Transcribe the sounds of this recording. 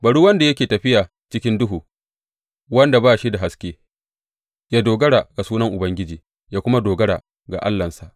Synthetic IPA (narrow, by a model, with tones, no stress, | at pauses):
bɐ˨ɽuː˦wɐ˦nda˨jɐ˦kʲeː˨tɐ˨ɸɪ˦jaː˨ | t͡ʃɪ˦kʲɪ˦ndʊ˦ɦuː˨ | wɐ˦nda˨baː˦ʃi˦da˨ɦa˦skʲeː˦ | jaː˦doː˨ɡɐ˦ɽa˨ɡ̥a˨suː˦nɐ˦ŋʔʊ˨bɐ˦ŋɡʲɪ˦d͡ʒiː˨ | jaː˦kʷʊ˦ma˦doː˨ɡɐ˦ɽa˨ | ɡa̰˨ʔa̰˦lːɐ˨nsa˨ʔ